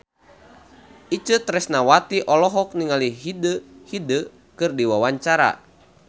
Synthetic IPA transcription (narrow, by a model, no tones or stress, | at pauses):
it͡ʃət̪ɾɛsnawat̪iʔɔlɔɦɔk̚niŋaliɦidəhidə | kɨrdiwawaɲt͡ʃaɾa̰